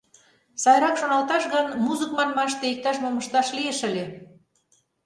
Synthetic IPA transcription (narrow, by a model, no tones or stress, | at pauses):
sɑjɾɑkʃonɑlt̪ɑʃɣɤnmuzəkmɑnmɑʃt̪eik̚t̪ɑʃmomə̆ʃt̪ɑʃlieʃə̆lʲe